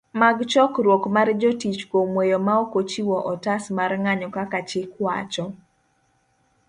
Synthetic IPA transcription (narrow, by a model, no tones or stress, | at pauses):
maɡt͡ʃɔkɾwokmard͡ʒotit͡ʃkomwejomaokot͡ʃiwɔʔɔtasmarŋaɲɔkakat͡ʃɪkwa̰t͡ʃɔ